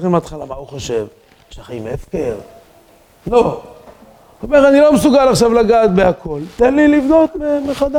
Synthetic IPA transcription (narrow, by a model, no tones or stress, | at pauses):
imat̪χalamauχoʃev | ʃeaχimefkel | lo | omeʁanilo̞mesuɡalaχʃavlaɡaːt̪̚beakʰo̞lt̪enlilivd̪o̞t̪memeχad̪a